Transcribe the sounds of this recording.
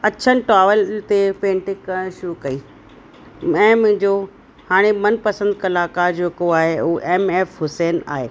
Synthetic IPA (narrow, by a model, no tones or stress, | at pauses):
ɐt͡ɕʰənɪ̆ʈɾaːʋəlɪnt̪epẽːɳʈɪkːɐɽ̃ʃukɐiː | mɛ̃ːmʊ̃ɦɪ̃ɲd͡ʑo | haːɽ̃emɐnpɐsə̃nd̪̚kɐlaːkaɾd͡ʑeːkoaːɦeʊuʔeːmeːfɦʊseːna̰ːɦeː